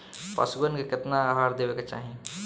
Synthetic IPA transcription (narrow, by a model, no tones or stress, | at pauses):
pɐ̰sɡənkekɪt̪naɦaːɾd̪eːʋeket͡ʃa̰ːɦẽ